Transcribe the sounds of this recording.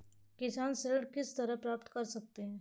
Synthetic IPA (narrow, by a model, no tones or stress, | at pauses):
kɪsaːnseɾəɖkɪst̪ɐɾəɦpɾaːpt̪kɐɾsɐk̚t̪eɦɛ̃ː